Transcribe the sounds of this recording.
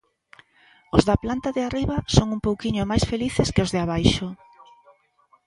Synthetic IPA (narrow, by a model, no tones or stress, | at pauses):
ʊzðaplant̪aðɪariβɐsoŋumpowkiɲʊmajsfeliθeskɪozðɪaβ̞ajʃo